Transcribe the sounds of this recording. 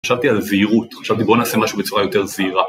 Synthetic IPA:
aʃavt̪ialzeiʁut̪χaʃavt̪ibo̞naːse̞maʃube̞t͡suʁajo̞t̪e̞ʁziʁa

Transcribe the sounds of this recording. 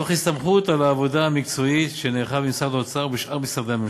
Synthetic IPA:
oχist̪amχut̪alaːvo̞d̪aamikt͡so̞it̪ʃeneːχabimsad̪ot͡saʁbiʃʔaʁmisaʁd̪eami

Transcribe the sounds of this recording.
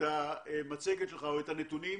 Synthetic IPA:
aemat͡seɡet̪leχaoet̪anet̪uni

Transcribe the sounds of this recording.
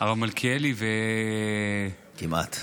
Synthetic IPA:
avalmalkʰielive | kima̰t̪

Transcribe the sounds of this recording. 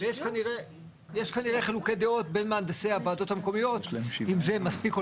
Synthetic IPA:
jeʃkaniʁe | jeʃkaniʁeχelukejd̪eo̞t̚be̞nmeand̪aseavaado̞tameko̞mijo̞t̪imzemaspiko

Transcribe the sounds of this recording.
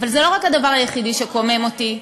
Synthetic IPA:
valzɛlo̞ʁakhad̪avaʁajeχidiʃekomemo̞t̪i

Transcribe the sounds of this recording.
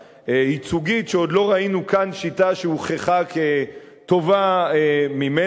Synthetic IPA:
eit͡suɡitʃeod̪lo̞ʁainukanʃitaʃeuχeχake | t̪o̞vaemime

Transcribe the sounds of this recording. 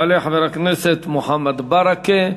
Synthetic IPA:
aleħaveɾakneset̪moħamad̪baɾake

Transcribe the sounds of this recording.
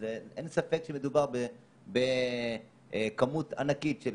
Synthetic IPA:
zeʔensafekʃemed̪ubaʁbe | be | kamuta̰nakitʃel

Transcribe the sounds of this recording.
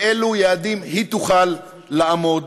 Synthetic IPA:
elujead̪imhit̪uχalː | aʔamod̪

